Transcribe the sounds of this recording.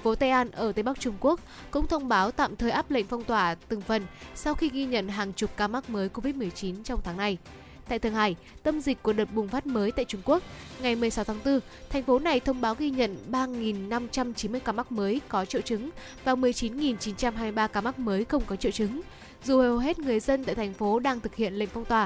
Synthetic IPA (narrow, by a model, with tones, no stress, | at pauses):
fo˨˦t̪aː˧jʔaː˧nʔəː˧˩t̪ə˨˧jɓk̚t͡ɕʊ˧ŋ͡mku˦˥ək̚ | kʊ̰˧˥ŋ͡mt̪ʰə˧wŋ͡mɓaː˨˦wt̪a̰ː˧˨mt̪ʰəː˨˩jʔaː˦˥p̚lə̰˧˨jŋ̟fɔ˧wŋ͡mt̪waː˧˩t̪ɨ˨˩ŋfə˨˩nsa˧wxi˧ɣi˧ɲə̰˧˨nɦaː˨˩ŋt͡ɕʊ˨˩k͡p̚kaː˧ma˦˥k̚məː˨˦jko˧vi˦˥t̚mɨ˨˩əjt͡ɕi˨˦nt͡ɕɔ˧wŋ͡mt̪ʰaː˨˦ŋna˧j | t̪a̰ː˧˨jt̪ʰɨ˧˩əŋɦaː˧˩j | t̪ə˧mzi˨˩k̟̚ku˧˩əɗəː˨˩t̚ɓʊ˨˩ŋŋ͡mfaː˦˥t̚məː˨˦jt̪a̰ː˧˨jt͡ɕʊ˧ŋ͡mku˦˥ək̚ŋa˨˩jmɨ˨˩əjsa˨˦wt̪ʰaː˨˦ŋt̪ɨ˧ | t̪ʰa˨˩jŋ̟fo˨˦na˨˩jt̪ʰə˧wŋ͡mɓaː˨˦wɣi˧ɲə̰˧˨nɓaː˧ŋi˨˩nːa˧mt͡ɕa˧mt͡ɕi˨˦nmɨ˧əjkaː˧ma˦˥k̚məː˨˦jkɔ˨˦t͡ɕḭ˧˨wt͡ɕɨ˨˦ŋ | vaː˨˩wmɨ˨˩əjt͡ɕi˨˦nŋi˨˩nt͡ɕi˨˦nt͡ɕa˧mɦaː˧m˧jɓaː˧kaː˧˩ma˦˥k̚məː˨˦jxə˧wŋ͡mkɔ˨˦t͡ɕḭ˧˨wt͡ɕɨ˨˦ŋ | zu˨˩hə˨˩ɦe˦˥t̚ŋɨ˨˩əjzə˧nt̪a̰ː˧˨jt̪ʰa˨˩ŋ̟fo˨˦ɗaː˧ŋt̪ʰɨ˨˩k̚hḭ˧˨ənlə̰˧˨jŋ̟fɔ˧wŋ͡mt̪waː˨˩